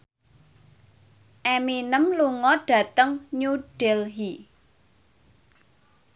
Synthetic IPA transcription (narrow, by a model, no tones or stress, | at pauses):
ʔɛminəmluŋɔɖ̥ä̤t̪əŋɲuɖ̥elɦi